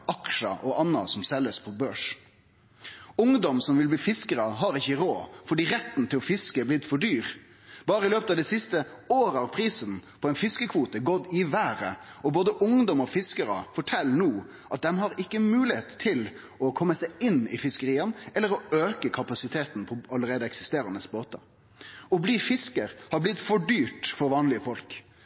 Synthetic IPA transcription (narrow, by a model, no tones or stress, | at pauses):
ɑkʂə̰ʔɔʔɑnːɑ̰sɔmsɛlːəspʰɔbøːʂ | ʊŋd̪ɔmsɔmʋɪlbliːfɪskəɾɑɦɑɾɪçəɾoːfɔɖiːɾɛt̪ːnt̪ʰɪlɔfɪskəblɪd̪fɔɖyːɾ | bɑːɾəɪløːpət̪ɑʋd̪ɛsɪst̪əoːɾəɑɾpʰɾiːsənpʰɔɛɪnfɪskəkʰʋuːt̪əɡɔd̪ɪʋæːɾəɔboːd̪əʔʊŋd̪ɔmɔfɪskəɾə̰fɔʈʰɛlnuː | ʔɑt̪̚d̪ɛmhɑɾɪkːəmʉːlɪheːt̪ʰːɪl | ɔkʰɔmːəsæɪɪnɪ̰fɪskəɾiːənɛlːəɾɔøːkəkʰɑpɑsɪt̪ʰeːt̪n̩pʰɔɑləɾeːd̪əɛksɪ̥st̪eːɾənəsboːt̪ɑ̰ | ɔbliːfɪskəɾhɑblɪt̪ːfɔɖyːʈfɔɾʋɑːnlɪəfɔlk